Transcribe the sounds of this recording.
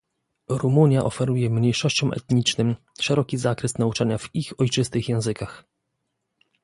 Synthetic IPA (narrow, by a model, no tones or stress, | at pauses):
ɾumuɲjaʔɔfɛɾujɛmɲejʂɔɕt͡ɕɔ̃w̃ʔɛ̰t̪ɲit͡ʂnɘm | ʂɛɾɔkʲizakɾɛst̪naut͡ʂaɲavixɔjt͡ʂɘst̪ɘxjɛ̃w̃zɘkax